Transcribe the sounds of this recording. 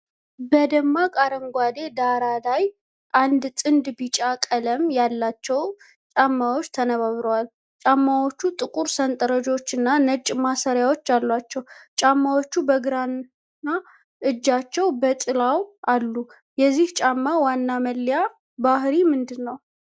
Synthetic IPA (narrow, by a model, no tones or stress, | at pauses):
bəd̪əmːakʼaɾəŋɡʷad̪e̞d̪aɾalaj | ʔand̪t̪ʼɨnd̪bɨt͡ʃʼakʼələmjalːat͡ʃːɛw | t͡ʃʼamːawot͡ʃːt̪ʰənəβaβɾəwal | t͡ʃʼamːawo̞t͡ʃːut̪ʼɨkʼuɾsənt̪ʼəɾəd͡ʒo̞t͡ʃːɨnːanət͡ʃʼːmasəɾjawot͡ʃːalːat͡ʃːɛwt͡ʃʼamːawot͡ʃːubəɡɨɾan | na | ʔɨd͡ʒːat͡ʃːɛwbət̪ʼɨlawʔalːu | jɛzːiht͡ʃʼamːawanːaməlːja | bahɾimɨnd̪ɨnːəw